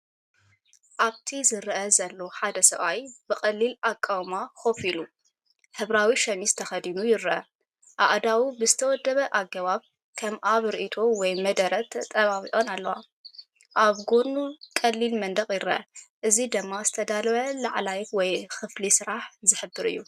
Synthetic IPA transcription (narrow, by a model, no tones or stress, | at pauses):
ʔaβt̪ʰizɨɾʔɐzɐlːo̞ħad̪ɐsɐβajbɨxʼɐlːilakʼːawmaxo̞filu | ħɨβɾawiʃɐmist̪ʰɐxɐd̪inujɪɾʔɐ | ʔaʔd̪awubɨzɨt̪ʰɐwɔd̪ːɐβɐʔaɡɐβaβ | kʰɐmʔaβɾiʔit̪ʰo̞wɔjmɐd̪ɐɾɐt̪ʰt̪ʼːɐβaβiʔo̞nalːɐwa̰ | ʔaβɡonukʼɐlːilmɐnd̪ɐkʼjɪɾɨʔɐ̰ʔɨzid̪ɨmːazɨt̪ʰɐd̪alβɐlaʕlajwɔjxɨflisɨɾaħzɨħɨbːɨɾɨ̰jːu